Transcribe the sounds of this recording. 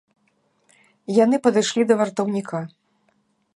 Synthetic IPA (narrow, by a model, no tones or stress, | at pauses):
jan̪ɨpɐd̪ɨjʂlʲid̪ɐvart̪ɐwnʲikʰa